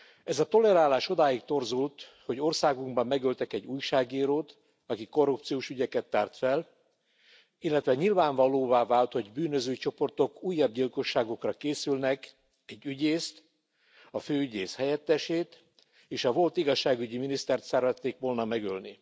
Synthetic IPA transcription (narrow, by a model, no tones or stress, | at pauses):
ɛzɒt̪o̞lɛɾaːlaːʃo̞d̪aːjikt̪o̞rzult̪ho̞ɟo̞rsaːɡuŋɡbɒmːɛɡølt̪ɛkɛɟːuːjʃaːɡiːɾoːt̪ | ɒkiko̞rːupt̪sijoːʃyɟɛkɛt̪ːaːrt̪fɛl | ilːɛt̪ʋɛɲilvaːɱvɒloːvaːvaːlt̪ho̞ɟbyːnøzøːt͡ʃo̞po̞rt̪o̞kuːjːɒb̚ɟilko̞ʃːaːɡo̞krɒkeːsylnɛk | ɛɟːyɟeːst̪ | ɒføːyɟeːshɛjɛt̪ːɛʃeːt̪ | eːʃɒvo̞lt̪iɡɒʃːaːɡyɟiminist̪ɛrt̪sɛrvɛt̪ːeːkʋo̞lnɒmɛɡølni